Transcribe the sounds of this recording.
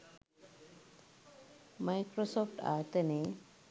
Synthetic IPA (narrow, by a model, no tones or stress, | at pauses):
majkɾosɔːfʈa̰t̪əne